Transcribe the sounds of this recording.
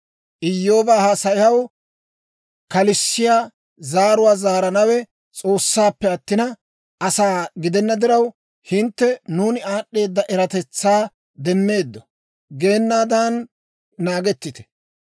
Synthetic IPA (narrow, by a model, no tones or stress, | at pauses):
ʔɪjːo̞ːbaːhaːsɐjɪɐw | kɐlɪsːɪjaː | zaːɾʊwaːzaːɾɐnɐwɛ | t͡sʼo̞ːsːaːpːɛɐt̪ːɪnɐ | ʔɐsaːɡɪd̪ɛnːɐd̪ɪɾɐw | hɪnt̪ːɛnuːnɪaːɗːe̞ːd̪ːɐʔɛɾɐt̪ɛt͡sːaː | d̪ɛmːe̞ːd̪ːɔ | ɡe̞ːnːaːd̪anː | aːɡɛt̪ːɪt̪ɛ̥